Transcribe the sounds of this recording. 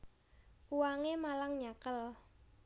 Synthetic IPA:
kuwaŋemalaŋɲakəl

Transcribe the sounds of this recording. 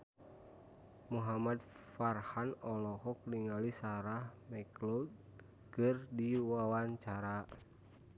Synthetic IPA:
muɦamad | farhanɔlɔhɔk̚liŋalisaɾahmɛklɔd̪̚ | kɨrdiwawaɲt͡ʃaɾa

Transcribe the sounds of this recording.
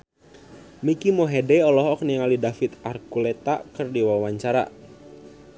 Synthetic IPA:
mikimɔɦɛdɛɔlɔɦɔk̚niŋalidafit̪arkulɛt̪a̰ʔkɨrdiwawaɲt͡ʃaɾa̰

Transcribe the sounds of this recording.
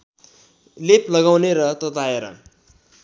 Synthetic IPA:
leplʌɡawneɾʌt̪ʌt̪aeɾʌ̰

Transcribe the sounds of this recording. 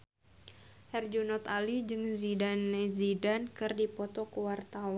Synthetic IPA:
hɛrd͡ʒunɔt̪alid͡ʒɨŋzidanːɛzidankɨrdipɔt̪ɔkəwart̪awa

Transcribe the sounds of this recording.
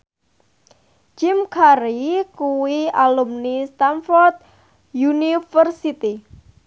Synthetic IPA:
t͡ʃɪmkʰaɾikuwialumnist̪anfɔrt̪̚ | junifərsit̪i

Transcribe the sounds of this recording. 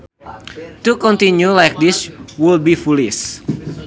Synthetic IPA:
t̪ukɔ̃nt̪injulajk̚diswilbifulis

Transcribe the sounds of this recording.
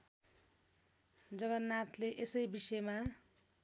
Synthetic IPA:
d͡zʌɡʌnːat̪leʔesʌjbisʌma

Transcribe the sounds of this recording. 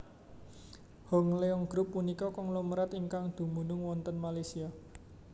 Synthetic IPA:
hɔŋleɔŋɡ̥ɾʊpːunikɔkɔŋluməɾat̪iŋkaŋd̪̥ṳmunʊŋwɔnt̪ənmalasia

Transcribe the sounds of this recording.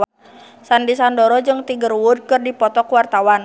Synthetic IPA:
sandisandɔɾɔd͡ʒɨŋt̪iɡərwud̚kɨrdipɔt̪ɔkwart̪awan

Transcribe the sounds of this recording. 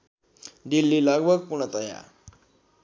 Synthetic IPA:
ɖilːiləɡbʱəɡ̚puɳ̃ət̪ʌja̰

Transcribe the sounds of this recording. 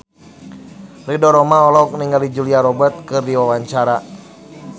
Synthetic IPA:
ridɔɾɔmaɔlɔuk̚niŋɡalid͡ʒuliaɾɔbət̪̚kɨrdiwawaɲt͡ʃaɾa

